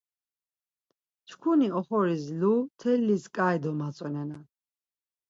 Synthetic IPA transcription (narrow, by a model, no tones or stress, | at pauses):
t͡ʃʰkʰuniɔχɔɾislut̪ʰɛlːiskʼaɛd̪ɔmat͡sʼwɛnɛna